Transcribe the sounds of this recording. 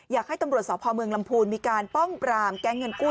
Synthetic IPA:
jaː˨˩k̚ha˥˩t̪a˧mɾu˨˩ət̪̚sɔː˩˦˥pʰɔː˧mɯ˧əŋla˧mpʰuː˧nmiː˧kaː˧npɔ˥˩ŋpɾaː˧mkɛː˦˥˩ŋːɤ˧nkuː˥˩

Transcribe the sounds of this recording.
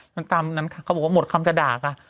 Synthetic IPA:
ma˧nt̪aː˧mna˦˥nkʰa˧˥˩kʰa˦˥bɔ˨˩wa˥mo˨˩t̪̚kʰa˧mt͡ɕa˧daː˨˩kʰa˧˩

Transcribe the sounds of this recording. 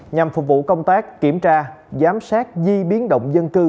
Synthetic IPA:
ɲa˨˩mfʊ˨˩k̚vṵ˧˨kə˧wŋ͡mt̪aː˦˥kːi˧˩əmt͡ɕaː˧zaː˨˦msaː˦˥k̚zi˧ɓi˨˦ənɗə̰˧˨wŋ͡mzə˧nkɨ˧

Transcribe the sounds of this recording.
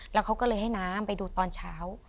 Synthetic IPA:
lɛː˦˥wkʰa˦˥wkɔ˥˩lɤː˧jɦa˥˩jnaː˦˥mpa˧jduː˧t̪ɔː˧nt͡ɕʰaː˦˥w

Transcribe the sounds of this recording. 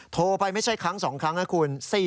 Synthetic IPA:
t̪ʰoː˧pa˧jma˥˩jt͡ɕʰa˥˩jkʰɾa˦˥ŋsɔː˩˦ŋkʰɾa˦˥ŋna˦˥˩kʰuː˧nsiː˥˩

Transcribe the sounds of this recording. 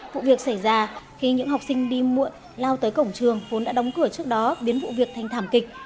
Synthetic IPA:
vṵ˧˨vi˨˩ək̚sa˧˩jzaː˧xi˧ɲɨ̰˧˥ŋɦa˨˩wk͡p̚sï˧ŋ̟ɗi˧mṵ˧˨j | laː˧wt̪əː˨˦jkə˧˩wŋ͡mt͡ɕɨ˨˩əŋvo˨˦nɗa̰ː˧˥ɗə˨˦wŋ͡mkɨ˧˩ət͡ɕɨ˦˥ək̚ɗɔ˨˦ɓi˨˦ənvṵ˧˨vi˨˩ək̚t̪ʰjŋ̟t̪ʰaː˧˩mkï˨˩k̟̚

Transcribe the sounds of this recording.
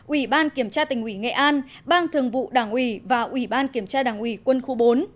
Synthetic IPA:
ʔwi˧˩ɓaː˧nki˧˩əmt͡ɕaː˧t̪ï˨˩ŋ̟ʔwi˧˩ŋḛ˧˨ʔaː˧n | ɓaː˧ŋt̪ʰɨ˨˩əŋvṵ˧˨ɗaː˧˩ŋʔwi˧˩vaː˨˩ʔwi˧˩ɓaː˧nki˧˩əmt͡ɕaː˧ɗaː˧˩ŋʔwi˧˩kwə˧nxu˧ɓo˨˦n

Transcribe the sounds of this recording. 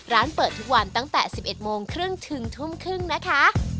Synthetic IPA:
ɾaː˦˥npɤː˨˩t̪ʰːu˦˥k̚wa˧nt̪a˥˩ŋt̪ɛː˨˩si˨˩p̚ʔe˨˩t̪̚moː˧ŋkʰɾɯ˥˩ŋt̪ʰɯ˧ŋt̪ʰu˥˩mkʰɾɯ˥˩ŋna˦˥kʰa˦˥ʔ

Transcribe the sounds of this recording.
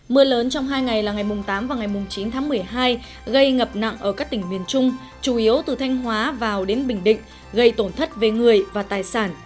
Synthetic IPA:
mɨ˧ələː˨˦nt͡ɕɔ˧wŋ͡mɦaː˧jŋa˨˩jlaː˨˩ŋa˨˩jmʊ˨˩ŋ͡mt̪aː˨˦mvaː˨˩ŋa˨˩jmʊ˨˩ŋ͡mt͡ɕi˨˦nt̪ʰaː˨˦ŋmɨ˨˩əjɦaː˧j | ɣə˧jŋə˨˩p̚na̰˧˨ŋʔəː˧˩kaː˦˥k̚t̪ï˧˩ŋmwi˨˩ənt͡ɕʊ˧ŋ͡m | t͡ɕu˧˩ʔi˨˦əwt̪ɨ˨˩t̪ʰa˧jŋ̟ɦwaː˨˦vaː˨˩wɗe˨˦nɓï˧˩ŋ̟ɗḭ̈˧˨ŋ̟ | ɣə˧jt̪o˧˩nt̪ʰə˦˥t̚ve˨˩ŋɨ˨˩əjvaː˨˩t̪aː˨˩jsaː˧˩n

